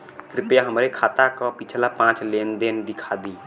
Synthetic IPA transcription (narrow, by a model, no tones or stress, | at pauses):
kɾɪpjaɦəmɾekʰat̪akɔpit͡ʃʰlapãːt͡ʃlend̪end̪ɪkʰad̪i